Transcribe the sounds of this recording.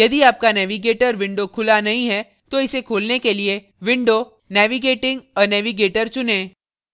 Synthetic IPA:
jɐd̪iaːp̚kanɛːʋiɡeːʈəɾʋɪ̃ɳɖokʰʊlanɐɦĩɦɛ | t̪oɪsekʰuːlnekelie | ʋɪ̃ɳɖo | nɛːʋiɡeːʈɪ̃ŋɡɔːɾnɛːʋiɡeːʈəɾt͡ʃʊnẽː

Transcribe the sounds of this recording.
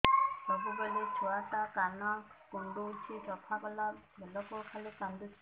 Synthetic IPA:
sɔbubeɽit͡ʃʰuatakanɔkuɳɖut͡ʃʰitɔpʰaɡɔlabɛlɔkɔkʰalikand̪ut͡ʃʰ

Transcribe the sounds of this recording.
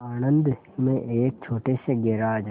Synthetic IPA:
aːnə̃nd̪ | mẽʔeːk̚t͡ʃʰoːʈesẽɡeɾaːd͡ʒ

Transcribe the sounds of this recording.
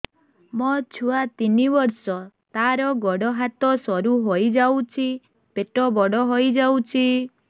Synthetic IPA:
mɔt͡ʃʰuat̪inibɔɾsɔt̪aɾɔɡɔɽɔɦat̪ɔsɔɾuɦojd͡ʒawt͡ʃʰi | peʈɔbɔɽɔɦojd͡ʒawt͡ʃʰi

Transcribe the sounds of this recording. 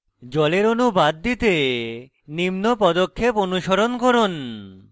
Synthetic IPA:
d͡ʑɔleɾonubad̪ːit̪e | nimnopɔd̪okʰːeponuʃoɾonkoɾon

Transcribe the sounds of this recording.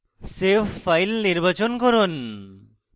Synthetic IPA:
sefːajlniɾbat͡ɕonkɔɾon

